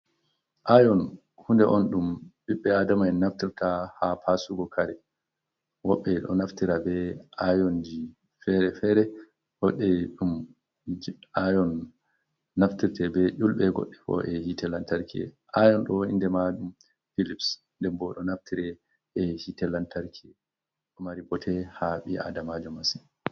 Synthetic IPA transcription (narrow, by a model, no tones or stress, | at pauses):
ʔajɔn | hundɛʔɔnɗumbiɓːɛadamajnaftiɾtahapʰasuɡɔkʰaɾɛ | wɔɓːɛɗɔ̰naftiɾabɛajɔnd͡ʒi | fɛɾɛfɛɾɛ | hɔɗːɛɗum | ajɔnː | aftiɾtɛbɛʔulɓɛɡɔ̰ɗːɛfɔ̰ʔɛhitɛlantaɾkiɛ̰ | ʔajɔnɗɔḭndɛmaɗum | filips | ndɛmbɔɗɔnaftʰiɾɛ | ɛhitɛlantaɾkʰiɛ | ɗɔmaɾibɔtʰɛhaɓia̰damad͡ʒɔmasin